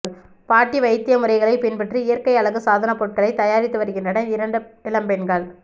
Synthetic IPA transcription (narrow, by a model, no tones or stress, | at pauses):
paːʈːiʋɐɪt̪ːɪjɐmɯɾɐɪɣɐɭɐɪpɪnpɛʈrɯɪjɐɾkɐɪɐɭɐɣɯsaːðɐnɐpːɔʈ̚kɐɭɐɪt̪ːɐjaːɾɪt̪ːɯʋɐɾɯɣɪndrɐɽɐɪɾɐɳɖɯɪlɐmpɛnɡɐɭ